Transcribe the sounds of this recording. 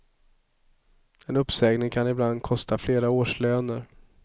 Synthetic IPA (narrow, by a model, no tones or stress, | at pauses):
ɛnɵpːsɛːɡnɪŋkʰanɪbland̪̚kʰɔst̪ʰafleːɾaoːʂløːnəɾ